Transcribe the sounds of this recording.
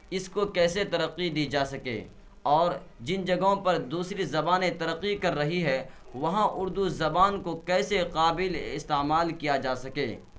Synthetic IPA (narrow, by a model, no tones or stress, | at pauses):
ɪskokɛːset̪ɐɾɐqːid̪iːd͡ʒaːsɐkḛː | ɔːɾ | d͡ʒɪnd͡ʒɐɡɦõpɐɾd̪uːsɾizɐbaːnẽt̪ɐɾɐqːikɐɾːɐɦiɦɛ | ʋɐɦãʔʊɾd̪uzɐbaːnkokɛːseqaːbɪlɪst̪eːmaːlkijad͡ʒaːsɐkḛː